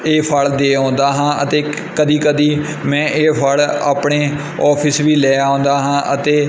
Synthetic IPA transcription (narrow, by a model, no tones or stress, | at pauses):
eːpʰəɭd̪eːõːnd̪aːɦãːə̰t̪eː | kəd̪iːkəd̪iː | mɛ̃ːʔeːpʰəla̰ːpɳeː | ɔːpʰɪsʋiːlɛːaːõːnd̪aːɦãːʔət̪eː